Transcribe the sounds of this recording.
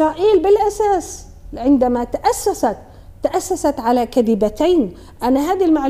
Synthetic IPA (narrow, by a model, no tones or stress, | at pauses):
ɾɑːʔiːlbɪlʔasaːs | ʕɪnd̪amat̪aʔasːasat̪ː | aʔasːasat̪ʕalakad̪ɪbat̪ajn | ʔanaɦaːd̪ilmaʕl